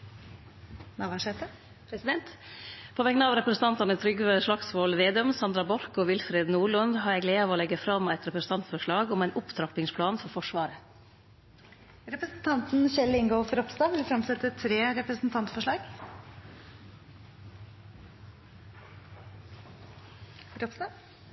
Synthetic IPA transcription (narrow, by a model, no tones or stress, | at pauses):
nɑːʋɑʂet̪ə | pʰɾɛsɪd̪ɛnt̪pʰoːʋɛɡnəɑːʋɾɛpɾəsn̩t̪ɑnt̪ɑnət̪ʰɾʏɡʋʂɭɑksʋoːlʋeːd̪œmsɑnd̪ɾɑbɔɾkoːʋɪlfɾeːd̪nuːɭʉnd̪ɦɑɾjæɪɡleːɑʋoːlɛɡːəfɾɑmæɪt̪ɾɛpɾəsn̩t̪ɑnt̪fɔʂɭɑːɡɔmæɪnʔʊpt̪ʰɾɑpɪŋspʰlɑːnfɔɾfɔʂʋɑːɾə | ɾɛpɾəsn̩t̪ʰɑnt̪n̩ʃɛlɪŋɡoːfɾɔpst̪ɑːʋɪlfɾɑmsɛt̪ːət̪ʰɾeːɾɛpɾəsn̩t̪ʰɑnt̪fɔʂɭɑːɡ | ɾɔpst̪ɑ